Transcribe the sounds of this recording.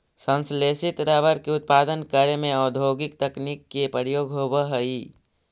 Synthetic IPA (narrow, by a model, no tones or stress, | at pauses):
sə̃nsleːsɪt̪ɾaʋəɾkeʊt̪̚paːd̪ənkəɾemẽɔːd̪ʱoːɡɪkt̪ɐknikːepəɾjoːɡɦoːbəɦɐi